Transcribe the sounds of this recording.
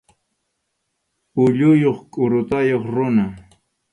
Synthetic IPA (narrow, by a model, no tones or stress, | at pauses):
ʊʎʊjoχkʼʊɾʊt̪ajoχɾʊna